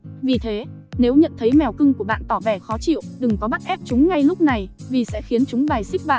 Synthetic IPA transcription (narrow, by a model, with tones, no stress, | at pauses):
vi˨˩t̪ʰe˨˦ | ne˨˦wɲə̰˧˨nt̪ʰə˨˦jmɛ˨˩wkɨ˧ŋku˧˩əɓa̰ː˧˨nt̪ɔ˧˩vɛ˧˩xɔ˨˦t͡ɕḭ˧˨əwɗɨ˨˩ŋkɔ˨˦ɓa˦˥t̚ʔɛ˦˥p̚t͡ɕʊ˨˦ŋ͡mŋa˧jlʊ˦˥k͡p̚na˨˩jvi˨˩sɛ̰˧˥xi˨˦ənt͡ɕʊ˨˦ŋ͡mɓaː˨˩jsi˦˥k̚ɓa̰ː˧˨